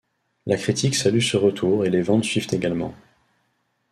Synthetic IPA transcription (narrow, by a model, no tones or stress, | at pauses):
lakχit̪ʰiksalysəʁət̪ʰuʁelevɑ̃t̪sɥivt̪eɡalmɑ̰̃